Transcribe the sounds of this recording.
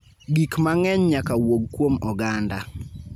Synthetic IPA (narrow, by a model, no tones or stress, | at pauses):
ɡikmaŋɛɲɲakawoɡ̚kːwomɔɡanda